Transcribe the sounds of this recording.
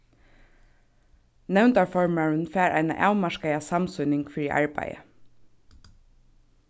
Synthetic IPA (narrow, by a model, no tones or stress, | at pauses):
nɛʋnt̪ɑːfɔɹməɹən̩fæːɹʔæ̰ɪnə̰ʔɑʉmɑʃkəɪɑsɑmsʉnɪŋɡfɹiːʔɑ̰ɹbæ̰ɪə̰